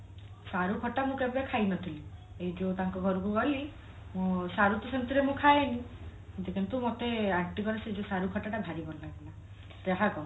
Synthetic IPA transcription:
saɾukʰɔʈamũkebakʰajnɔt̪ʰili | ejd͡ʒeut̪aŋkɔɡʱɔɾɔkukɔli | mũsaɾut̪ɔsent̪iɾemũkʰajenĩ | d͡ʒekʰint̪umot̪eaɾʈikɔɾesed͡ʒesaɾukʰɔʈaʈaɡʱaɾibɔnlaɡila | t̪eɦakɔ

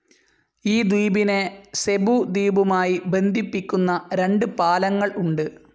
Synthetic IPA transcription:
iːd̪iːbine̞se̞bud̪iːbumaːjibe̞nd̪ʱipːikʲːunːɐɾe̞ɳɖɨpaːlɐŋːɐɭuɳɖɨ

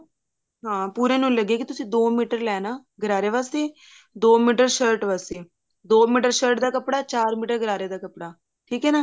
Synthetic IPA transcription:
ɦãːpuːɾẽːnũːləɡeːkɪt̪ʊsĩːd̪oːmiːʈəɾlɛːnaːɡəɾaːɾeːʋaːst̪eː | d̪oːmiːʈəɾʃəːɾʈʋaːst̪eː | d̪oːmiːʈəɾʃəːɾʈd̪aːkəpɽaːt͡ʃaːɾmiːʈəɾɡəɾaːɾeːd̪aːkəpɽaː | ʈʰiːkɦɛːnaː

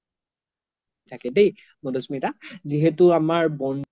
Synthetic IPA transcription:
tʰakɛdej | modosmitaziɦɛtʊamaɹbɔn

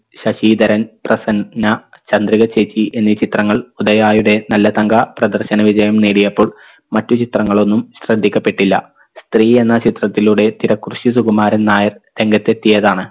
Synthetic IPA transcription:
ɕɐɕiːd̪ɐɾɐnprɐsɐnnːɐ | t͡ɕɐnd̪riɣɐt͡ɕeːt͡ɕːiʔe̞nːit͡ɕit̪rɐŋːɐɭud̪ɐjaːjuɽe̞nɐlːɐt̪ɐŋɡɐprɐd̪ɐrɕɐnɐʋid͡ʑɐjɐmneːɽijɐpːo̞ːɭ | mɐtːut͡ɕit̪rɐŋːɐɭo̞nːumɕrɐd̪ʱːikʲːɐpːe̞ʈːilːɐ̰ | st̪riːe̞nːɐt͡ɕit̪rɐt̪ːiluɽe̞t̪iɾɐkːruɕisuɡumaːɾɐnnaːjɐrt̪e̞ŋɡɐt̪ːe̞t̪ːijɐðaːɳɨ

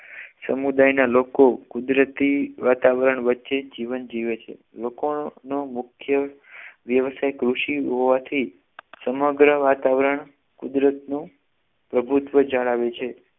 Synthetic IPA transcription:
sə̰mud̪ajnalokokud̪ɾət̪iʋat̪aʋəɾəɳʋətːʃed͡ʒiʋənd͡ʒiʋet͡ʃʰḛ | lokonomʊkʰjə | ʋjəʋsajkɾuʃiɦoʋat̪ʰi | səməɡɾəʋat̪aʋəɾəɳ | kud̪ɾət̪nũ | pɾəbʱut̪ʋəd͡ʒaɭaʋet͡ʃʰe

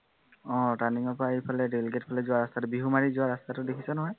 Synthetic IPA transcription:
ɔ̃taniŋɔpaipʰalɛdeliɡet̚pʰalɛzʊwaɹast̪atʊbiɦumaɹizʊaɹastatʊdekʰisɔnɔɦɔj

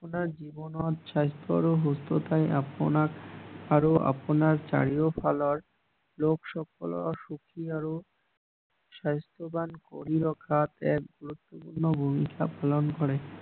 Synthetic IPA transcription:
aponaɾd͡ʑibonɔt̪ʃajst̪ʰoa̰ɾoɦost̪ot̪ajapoaaɾoʔa̰ponaɾt͡ɕa̰ɽiofalaɾ | lokʃɔkʰolɔ̰ʃukʰiaɾo | ʃajst̪ʰobanko̰ɾiɾɔkʰat̪ɛk̚ɡuɾut̪ːopuɾnobʱumikapalonkɔɾe

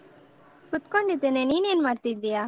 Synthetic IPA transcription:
kʊt̪koɳɖit̪enẽniniənmaɾt̪id̪ɪjaː

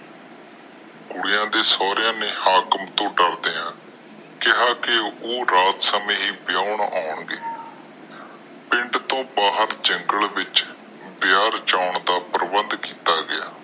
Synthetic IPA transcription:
kʊɽɪjãːd̪eːsɔːɾɪjãːneːhaːkəmt̪õːɖəɾd̪eːãː | kɪɦaːkeoːɾaːt̪səmẽːɦiːbɪjaːʊɳa̰ːʊɳɡeː | pɪ̃ɳɖt̪õːbaːɦəɾd͡ʒəŋɡəlʋɪt͡ʃ | bɪjaːɾt͡ʃaːʊɳd̪aːpəɾbənd̪kiːt̪aːɡɪjaː

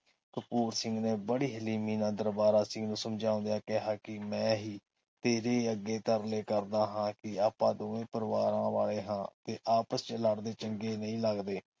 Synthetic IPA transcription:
kəpuːɾsɪ̃ŋɡneːbəɽiːɦəliːmiːnãːd̪əɾbaːɾaːsɪ̃ŋɡnũːsəmd͡ʒãːʊ̃nd̪ejaːkɛɦaːkɪmɛ̃ːɦiː | t̪eːɾeːəɡːeːt̪əɾleːkəɾd̪aːɦãːkɪaːpãːd̪oːʋẽːpəɾʋaːɾãːʋaːleːɦãːt̪eːʔaːpəst͡ʃələɽd̪eːt͡ʃəŋɡeːnəĩːləɡd̪eː

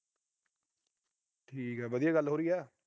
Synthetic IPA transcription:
ʈʰiːkɦɛːʋəd̪ɪjaːɡəlːɦoːɾiːɛː

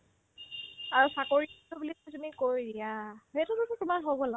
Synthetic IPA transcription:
aɹusakoɹitubulitumikojdijaɦetututʊtʊmaɹɦobɔla

